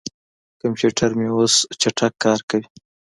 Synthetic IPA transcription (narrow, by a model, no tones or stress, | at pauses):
kampeʈʰaɾmeost͡ʃaʈʰakːɑɾkawi